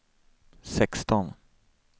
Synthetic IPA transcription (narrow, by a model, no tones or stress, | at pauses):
sɛkst̪ɔn